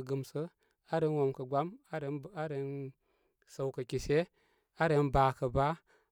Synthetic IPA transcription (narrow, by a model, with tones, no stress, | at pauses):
ɡə˨msə˦ | a˦ɾə˦nwo˨mkə˨ɡʷa˦m˦˨˦ɾə˨n | sa˨wkə˨kʲi˨se˦ | a˦ɾə˦nba˨kə˨ba˦